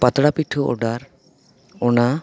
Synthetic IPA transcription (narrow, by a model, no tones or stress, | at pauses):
pat̪ɽapiʈʰuʔɔ̰ɖaɾ | ɔna